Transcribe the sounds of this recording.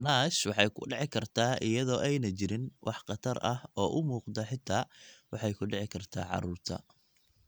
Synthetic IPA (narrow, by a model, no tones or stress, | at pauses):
naːʃwɑħɑjkʰʊ̰ɖɪʕɪkʰɐrt̪ʰaːʔɪjɐðɔːʔɛjnɐt͡ʃɪɾɪnwʔɑħqɑt̪ʰɐɾɐhɔːʔʊmuːqd̪ɐħɪt̪ʰaːwɑħɑjkʰʊɖɪʕɪkʰɐrt̪ʰa̰ːʕɑ̰ɾuːrt̪ʰɐ̰